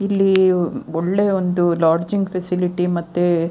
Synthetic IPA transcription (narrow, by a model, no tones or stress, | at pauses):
ilːiɔɭːe̞ond̪ulaːɾd͡ʒiŋɡpʰesiliʈimɐt̪ːe